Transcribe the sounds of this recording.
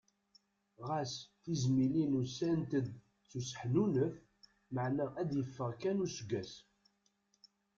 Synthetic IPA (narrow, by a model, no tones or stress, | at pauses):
ʁæsθizmilinusænt̪əd̪ | t͡sːusə̥ħnunəf | məʕnæʔæd̪jəfːəʁkænusɡæs